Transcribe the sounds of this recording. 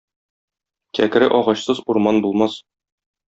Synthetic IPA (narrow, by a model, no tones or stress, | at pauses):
kækɘ̆ɾɘʔɒʁɑɕsɤzuɾmɑnbulˠmɑs